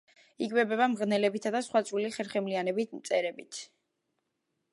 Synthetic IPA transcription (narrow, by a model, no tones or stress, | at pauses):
ikʼbɛbɛβamʁnɛlɛbit̪ʰad̪asχwat̪sʼwiliχɛɾχɛmlianɛbit̪ʰmt̪sʼɛɾɛbit̪ʰ